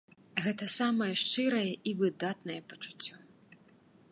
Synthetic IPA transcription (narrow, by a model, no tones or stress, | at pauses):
ɣɛt̪ɐsamɐjɛʂt͡ʂɨɾɐjɛʔivɨd̪at̪̚nɐjɛpɐ̥t͡ʂu̥t͡sʲːɔ